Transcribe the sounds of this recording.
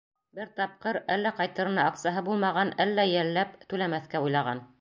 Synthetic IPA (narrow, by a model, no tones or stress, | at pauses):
bɘɾt̪ɑp̚qɤɾælːæqɑjt̪ɤ̆ɾɤ̆nɑːkt̪sɑɦɤbulˠmɑʁɑnælːæjælːæp̚t̪ʉlæmæθkæujlˠɑʁɑn